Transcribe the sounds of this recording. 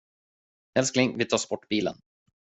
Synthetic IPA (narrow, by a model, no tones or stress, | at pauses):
hɛlsknɪŋvɪt̪ʰɑːʂpɔʈːbiːlə̰n